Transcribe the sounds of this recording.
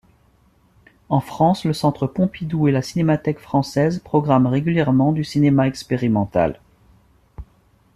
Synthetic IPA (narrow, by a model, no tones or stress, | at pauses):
ɑ̃fχɑ̃sləsɑ̃t̪χəpɔ̃pid̪uelasinemat̪ɛkfχɑ̃sɛzpχɔɡʁamʁeɡʲyljɛʁmɑ̃d̪ysinemaɛkspeʁimɑ̃t̪a̰l